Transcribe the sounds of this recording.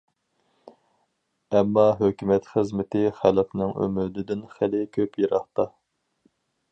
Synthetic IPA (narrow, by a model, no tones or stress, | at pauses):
ɛmːɑɦøkʲymɛt̪χəzmɪt̪ɪχælfnɪŋø̰mɪd̪ɪd̪ɪnχælɪkʲʰøpjeɾɑχt̪ɑ